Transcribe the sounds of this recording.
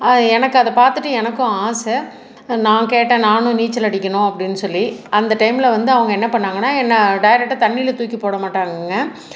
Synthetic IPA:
ɐɛnɐkːɯɐðɐpaːɾt̪ɯʈːɯɛnɐkːʊ̃aːsɛ | nãːkeːʈːẽːnaːnʊ̃niːt͡ʃːɐlɐɽɪkʲːɐnʊ̃ɐpːɐɽɪnːɯsɔlːiɐnd̪ɐʈɐɪmɪlɐʋɐnd̪ɯɐʋɐŋɡɐɛnːɐpɐɳːaːŋɡɐnːaːɛnːɐɖɐjɾɛk̚ʈːat̪ɐɳːilɐt̪uːkːipoːɽɐmaːʈːaːŋɡŋɡɐ

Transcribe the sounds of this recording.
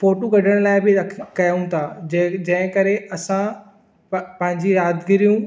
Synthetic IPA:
foːʈoɡɐɖʱəɽ̃laːɪbɪɐkʰkɐjaũt̪ʰaːd͡ʑd͡ʑɐ̃ɦɪ̃kɐɾeɐsã | pɐ̃ɦɪ̃ɲd͡ʑijaːd̪ɡɪɾijũ

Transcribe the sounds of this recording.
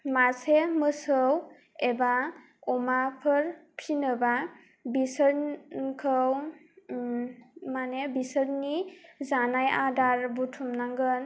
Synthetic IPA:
masemɯsɯw | eba | ɔmapʰɯɾpʰinɯba | bisəɾkʰɯw | manebisəɾnizanajadaɾbutʰumnaŋɡɯn

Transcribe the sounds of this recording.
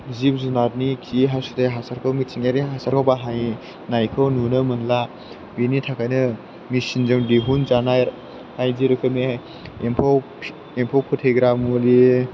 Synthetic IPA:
zip̚zunat̚nikʰiɦasutejɦasaɾkʰawmitʰiŋaɾiɦasaɾkʰawbaɦaj | najkʰɯwnunɯmɯnla | binitʰakʰajnɯ | misinzamdiɦunzanaj | hajziɾɯkʰɯmi | empʰaw | empʰawpʰutʰeɡɾamuli

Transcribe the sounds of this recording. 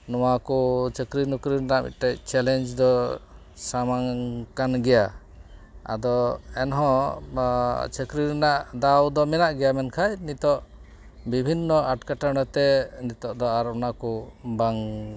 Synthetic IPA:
nɔwakɔt͡ʃəkɾinukɾiɾɛnaʔmḭt̪̚ʈɛc̚t͡ʃɛlɛnd͡ʒd̪ɔ | samaŋkanɡɛja | a̰d̪ɔɛnɦɔ̃ | t͡ʃəkɾiɾɛnaʔd̪awd̪ɔmɛnaʔɡɛjamɛnkʰajnit̪ɔʔ | bibʱinːɔaʈkaʈanɔt̪ɛnit̪ɔʔd̪ɔaɾɔnakɔbaŋ

